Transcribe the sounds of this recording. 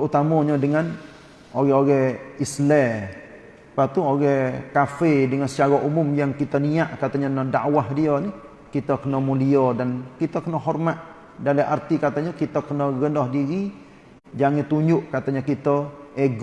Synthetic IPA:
t̪əut̪amɔɲədəŋan | oɣɛoɣɛislɛ | pat̪uoɣɛkafedəŋansət͡ʃaɾaʔumʊmjaŋkit̪əniaʔkat̪əɲənədaʔwahdiəni | kit̪əkənəmuliədankit̪əkənəɦɔrmat̪̚ | daleart̪ikat̪əɲəkit̪əkənəɣənɔhdiɾi | d͡ʒaŋɪt̪uɲd͡ʒʊʔkat̪əɲəkit̪əeɡ

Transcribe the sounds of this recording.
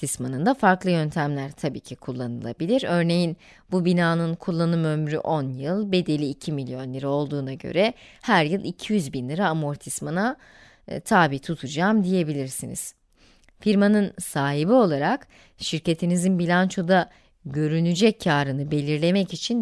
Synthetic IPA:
ismanɯnd̪afaɾklˠɯjø̞nt̪ʰæmlʲæɾt̪ʰabḭːcʰikʰulˠːanɯlˠa̰bilʲiɾø̞ɾne̞jin | bubinaːnɯnkʰulˠːanɯmømɾy̰ʔo̞njɯlˠbe̞d̪e̞lʲiːcʰimilʲjo̞nlʲiɾɛo̞lˠd̪uːnaɟø̰ɾɛhæɾjɯlˠicʰijyzbinlʲiɾaːmoɾt̪ʰismana | t̪ʰaːbit̪ʰut̪ʰud͡ʒaːmd̪ije̞bilʲiɾsinḭz̥ | fiɾmanɯnsaːɦibio̞lˠaɾak | ʃiɾce̞t̪ʰinizinbilʲant͡ʃʰo̞d̪a | ɟø̞ɾynyd͡ʒɛcʰːaːɾɯnɯbe̞lʲiɾlʲe̞mɛcit͡ʃʰin

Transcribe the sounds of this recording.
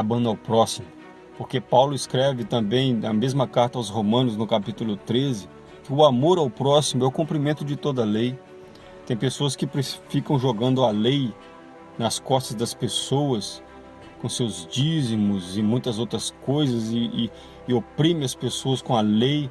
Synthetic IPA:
abɐ̃nd̪awpɾɔsimʊ | poɾkepawlʊɪskɾɛvɪt̪ɐ̃bẽj̪̃ɐmezmɐkaɾt̪ɐawshomɐ̃nʊznʊkapit̪ulʊt̪ɾezɪ | kɪʊamoɾawpɾɔsimʊɛʊkũmpɾimẽnt̪ʊd͡ʒɪt̪od̪ɐlej | t̪ẽj̃pesoɐskɪpɾɪfikɐ̃w̃ʒoɡɐ̃nd̪ʊɐlej | nɐskɔst̪ɐzd̪ɐspesowɐs | kõsewzd͡ʒizmʊzɪmũj̃t̪ɐzowt̪ɾɐskojzɐzɪː | opɾĩmɪɐspesoɐskõɐlej

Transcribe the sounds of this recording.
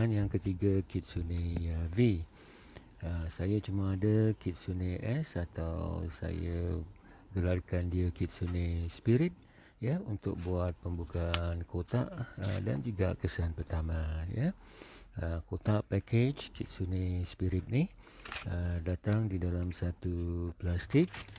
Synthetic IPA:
anjaŋkət̪iɡakit̪̚sunĩəvi | əsajat͡ʃumaːdəkɪt̪̚sunəʔɛsat̪a̰wwsa̰ja | ɡəlarkandiəkit̪̚sunəspiɾit̪̚ | jəunt̪ʊ̰k̚buat̪̚pəmbukaːnkot̪aʔə̰da̰nd͡ʒuɡa̰kəsanpərt̪amãjə | əkot̪aʔpɛked͡ʒkit̪̚sunəspiɾit̪̚ni | ədat̪aŋdidalamsat̪uplast̪ɪk̚

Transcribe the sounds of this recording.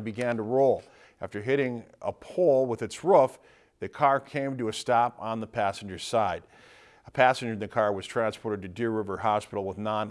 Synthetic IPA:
bɨɡæ̃ntəɹoʊlˠ | æftə˞ɦɪɾɪ̃ŋə̰pʰɔlˠwəðɨtsɹʊf | ðɨkʰɑɹkʰẽɪ̃mtɨːstɑpn̩ðəpʰæsn̩d͡ʒə˞z̥saɪd | əpʰæsɨ̃nd͡ʒə˞n̩ðɨkʰɑɹwʌz̥tʰɹ̥æ̃nspʰɔɹɾɨd̚tɨdɪɹɹɪvə˞ɦɑspɪɾl̩ˠwəðnɑ̃n

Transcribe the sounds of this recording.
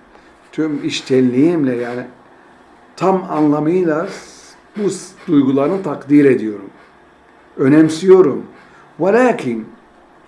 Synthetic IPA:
t̪ʰymiʃt̪ʰɛnlʲijimlʲɛjaːnɪ | t̪ʰama̰nlˠamɯjɯlˠa | busd̪̥ujɡulˠaɾnɯt̪ʰakd̪iːɾe̞d̪ijo̞ɾum | ø̞nɛmsijo̞ɾum | walʲaːkʰin

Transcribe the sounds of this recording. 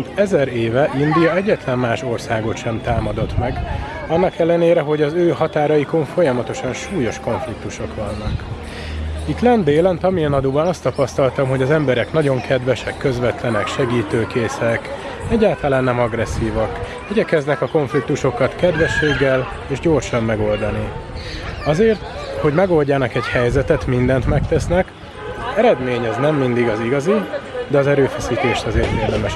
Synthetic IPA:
nt̪ɛzɛɾeːvɛʔind̪ijɒɛɟːɛt̪lɛmmaːʃo̞rsaːɡo̞t̪ʃɛmt̪aːmɒd̪o̞t̪mɛɡ | ɒnːɒkɛlːɛneːɾɛɦo̞ɟɒzøːɦɒt̪aːɾɒjiko̞ɱfo̞jɒmɒt̪o̞ʃɒnʃuːjo̞ʃko̞ɱflik̚t̪uʃo̞kʋɒnːɒk | it̪lɛnd̪eːlɛnt̪ɒmiɛnɒd̪oːbɒnɒst̪ɒpɒst̪ɒlt̪ɒmɦo̞ɟɒzɛmbɛɾɛknɒɟo̞ŋkʰɛd̪vɛʃɛkːø̞zvɛt̪lɛnɛkʃɛɡiːt̪øːkeːsɛk | ɛɟːaːlt̪ɒlaːnːɛmɒɡɾɛsːiːvɒk | iɟɛkɛznɛkɒko̞ɱflik̚t̪uʃo̞kɒt̪kɛd̪ʋɛʃːeːɡːɛl | eːʒɟo̞ːrʃɒmːɛɡo̞ld̪ɒni | ɒzeːrt̪ | ho̞ɟmɛɡo̞lɟaːnɒkɛɟhɛjzɛt̪ɛt̪mind̪ɛnt̪mɛkt̪ɛsnɛk | ɛɾɛd̪meːɲɒznɛmːind̪iɡɒziɡɒzid̪ɛɒzɛɾøːfɛsiːt̪eːʃt̪ɒzeːrt̪eːrd̪ɛmɛʃ

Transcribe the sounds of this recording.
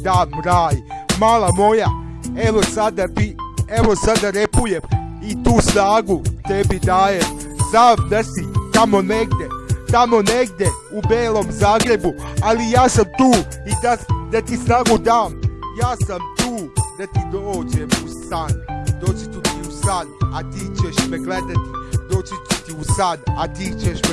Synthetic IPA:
d̪aːɾaːjmaːlamo̞ja | e̞ʋo̞sad̪abie̞ʋo̞sad̪aɾe̞puje̞m | it̪uːsnaːɡut̪ebid̪aːjem | samd̪asit̪amo̞ne̞ɡd̪e̞t̪amo̞ne̞ɡd̪e̞ | ubeːlo̞mzaːɡɾe̞bualijaːsamt̪uːid̪ad̪at̪isnaːɡud̪aːmjaːsamt̪uːd̪at̪id̪oːd͡ʑemusand̪oːt͡ɕit̪ut̪iusanat̪iːt͡ɕeʃpeɡled̪at̪id̪oːt͡ɕit̪ut̪iusanat̪iːt͡ɕeʃp

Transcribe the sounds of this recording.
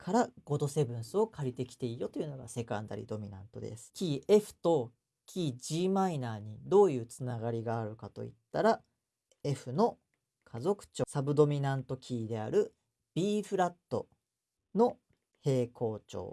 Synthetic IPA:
kʰaɾaɡ̥o̞t̪o̞se̞bɯ̟̃ɰ̃sɨo̞kʰaɾʲit̪e̞kʲi̥t̪e̞ijo̞t̪o̞iɯ̟no̞ɡa̰se̞kã̰nd̪a̰ɾʲḭd̪o̞mʲinã̰nt̪o̞̰d̪ḛsɨ̥kʲiːʔe̞ɸɯ̟̥t̪o̞ | kʲʰiːʑiːmainaːɲ̟id̪o̞ːjɯ̟ːt͡sɨnaɡaɾʲiɡaːɾɯ̟kat̪o̞̰ḭt̪ːaɾa | e̞ɸɯ̟no̞ | kʰazo̞kɯ̟̥t͡ɕoːsabɯ̟d̪o̞mʲinãnt̪o̞kʲʰiːd̪e̞a̰ɾɯ̟ | b̥ʲiːɸɯ̟ɾat̪ːo̞̰ | no̞ | he̞ːkʰo̞ːt͡ɕo̞̰ː

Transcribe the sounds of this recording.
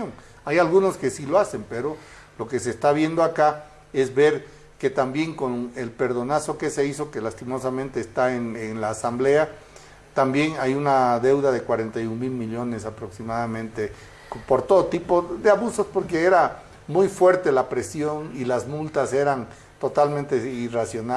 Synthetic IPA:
oŋ | ajalɣuno̞ske̞siloase̞mpe̞ɾo̞ | lo̞ke̞sest̪aβje̞nd̪oaka | e̞zβe̞ɾ | ke̞t̪ambje̞ŋko̞nelpe̞ɾðo̞naso̞ke̞se̞iso̞kelast̪imo̞samẽnt̪e̞ːst̪aenenlaːsamble̞a | t̪ambje̞ŋajunaðe̞wðaðe̞kwaɾe̞nt̪ajuŋmilmiʎo̞nesapɾo̞ksimaðamẽ̞nt̪e | po̞ɾt̪oðot̪ipoðeaβuso̞spo̞ɾkeeɾa | mujfwe̞ɾt̪e̞lapɾe̞sjo̞nilazmult̪ase̞ɾan | t̪o̞t̪almẽnt̪eirasjona

